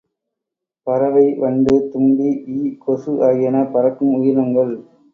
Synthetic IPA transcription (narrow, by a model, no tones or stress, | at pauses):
pɐɾɐʋɐɪʋɐɳɖɯt̪ʊmbiiːkɔsɯʔaːjɐnɐpɐɾɐkːɯmʊjɪɾɐŋɡɐɭ